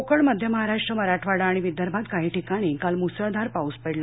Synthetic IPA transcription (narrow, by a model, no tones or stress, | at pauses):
okəɳməd̪ʱjəməɦaɾaʂʈɾəməɾaʈʰʋaɽaːɽ̃iʋid̪ʱjəɾbʱat̪kaɦiːʈikaɽ̃iːkalmusɾəd̪ʱaɾpauspəɽla